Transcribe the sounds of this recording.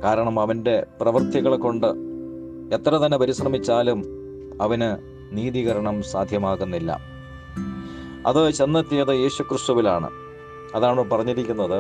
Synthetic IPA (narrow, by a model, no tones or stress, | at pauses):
kaːɾɐɳɐmɐʋɐnde̞prɐʋɐrt̪jiɣɐɭkːo̞ɳɖɨ | et̪ːrɐt̪ɐnːɐpɐɾisrɐmit͡ɕːaːlum | ɐʋɐnɨ | niːðiɣɐɾɐɳɐmsaːd̪ʱjɐmaːɣunːilːɐ̰ | ɐ̰ðɨt͡ɕe̞nːɐt̪ːiɐðɐje̞ːɕukrɨst̪uʋilaːɳɨ̰ | ɐðaːɳɨpɐrɐɲːiɾikʲːunːɐðɨ